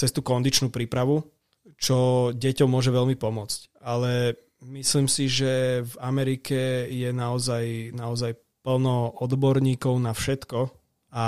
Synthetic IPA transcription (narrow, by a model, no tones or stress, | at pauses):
t͡sɛst̪uːkɔnd̪it͡ʃnuːpɾiːpɾaʋu | t͡ʃɔɟɛcɔmːʊɔʒɛʋɛlmipɔmʊɔt͡scalɛ | misliːmsiʒɛvamɛɾikɛjɛnaɔzajnaɔzaj | pl̩nɔɔd̪bɔɾɲiːkɔʊnafʃɛt̪kɔ | a